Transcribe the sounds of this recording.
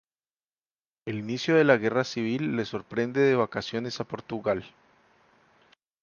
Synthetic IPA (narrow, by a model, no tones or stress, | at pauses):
e̞linisjo̞ðe̞laɣe̞rasiβ̞ilːe̞so̞ɾpɾe̞nd̪e̞ðe̞βakasjo̞ne̞sapo̞ɾt̪uɣal